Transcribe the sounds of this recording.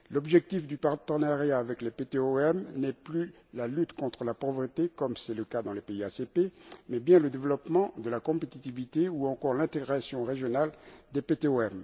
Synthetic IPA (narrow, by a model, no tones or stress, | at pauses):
lɔbʒɛk̚t̪ifd̪ypaʁt̪ənaʁjaːvɛklepet̪eoɛmnɛply | lalyt̪kɔ̃t̪χəlapɔvʁət̪ekɔmsɛləkad̪ɑ̃lepeiasepemɛbjɛ̃ləd̪evəlɔpmɑ̃d̪əlakɔ̃pet̪it̪ivit̪euɑ̃kɔʁlɛ̃t̪eɡʁasjɔ̃ʁeʒjɔnald̪epet̪eoɛm